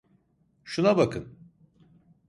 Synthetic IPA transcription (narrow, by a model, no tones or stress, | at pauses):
ʃunabakʰɯn